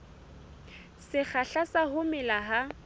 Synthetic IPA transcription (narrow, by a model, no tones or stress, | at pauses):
sɪk͡xʰaɬasahʊmɪlaɦa